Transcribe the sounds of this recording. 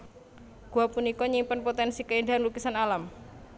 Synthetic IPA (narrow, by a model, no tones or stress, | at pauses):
ɡ̥uapunikɔɲimpənpot̪ɛnsikəinɖaanlukisanalam